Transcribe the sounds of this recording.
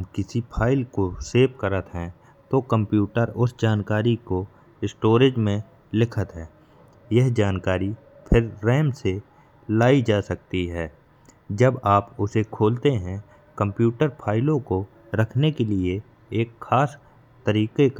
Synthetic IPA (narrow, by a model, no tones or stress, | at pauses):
mkɪsipʰaːɪlkoseːp̚kəɾət̪ɦɛ̃ | t̪okə̃mpjuːʈəɾʊsd͡ʒaːnkaːɾiko | ɪsʈoːɾɪd͡ʒmẽ | lɪkʰət̪ɦɛ̃ː | jɛɦd͡ʒaːnkaːɾi | pʰɪɾːɛːmse | laːid͡ʒaːsɐk̚t̪iɦɛː | d͡ʒəbaːpʊsekʰoːlt̪eɦɛ̃ | kə̃mpjuːʈəɾpʰaːɪlõko | ɾɐkʰnekelie | eːkxaːs | t̪əɾiːkek